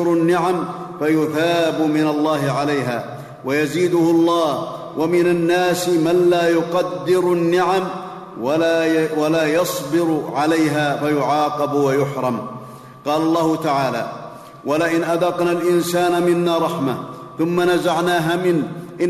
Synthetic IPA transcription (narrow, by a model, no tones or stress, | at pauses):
ɾnːɪʕam | fajʊθaːbʊmɪnalˤːɑːɦɪʕalajɦa̰ː | wajaziːd̪ʊhʊlˤːɑːh | wʔamɪnanːaːsmanlaːjʊqɑd̪ːɪɾʊnːɪʕam | walaːjɑsˤbɪɾʕalajɦaːfajʊʕɑːqɑbwajʊħɾˤɑm | qɑːlɑlˤːɑːhʊt̪aʕaːla̰ː | walaʔɪnʔad̪ɑqnaːlʔɪnsaːnamɪnːaːɾˤɑħma | θʊmːanazaʕnaːɦaːmɪnʔɪ